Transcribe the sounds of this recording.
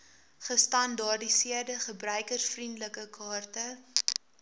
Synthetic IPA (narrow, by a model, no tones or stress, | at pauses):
χəstɐndɑrdisiərdəχəbrœɥkərsfrindləkəkʰɑːrtə